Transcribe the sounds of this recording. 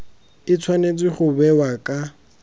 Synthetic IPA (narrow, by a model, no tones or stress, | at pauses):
ɪt͡sʰwanet͡sʼɪχʊbɛwakʼa